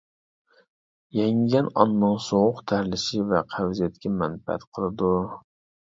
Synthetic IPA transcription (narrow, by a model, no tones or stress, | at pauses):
jɛŋɡʲɛnɑ̰nːɨŋsoʁʊqt̪ʰæɾlɪʃivɛqʰæwzɛt̪kʲʰɛmɛnfɛɛ̰t̪qʰəlˠɨd̪u